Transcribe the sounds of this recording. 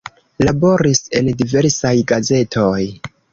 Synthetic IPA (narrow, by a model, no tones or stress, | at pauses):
labo̞ɾise̞ndive̞ɾsajɡaze̞tʰo̞j